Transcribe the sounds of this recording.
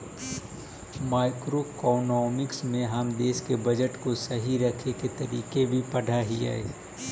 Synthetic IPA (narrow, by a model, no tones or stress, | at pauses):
maːɪkɾokɔːnɔːmɪksmẽɦəmd̪eːʃkebɐd͡ʒəʈkosɐɦiɾɐkʰeket̪ɐɾiːkebʱipɐɽ̤ʱaɦia̰ḛː